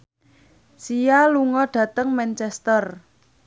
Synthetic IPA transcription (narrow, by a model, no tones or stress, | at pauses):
sijaluŋɔɖ̥ä̤t̪əŋmɛnt͡ʃɛst̪ər